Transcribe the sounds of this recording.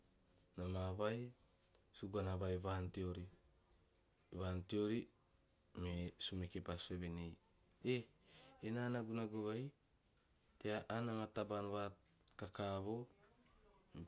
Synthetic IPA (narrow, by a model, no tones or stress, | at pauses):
namaβaj | suɡanaβajβantioɾi | βantioɾi | mesumekepasueβenej | eenanaɡunaɡoɡaj | teaʔanamatabanβa | kakaβo̞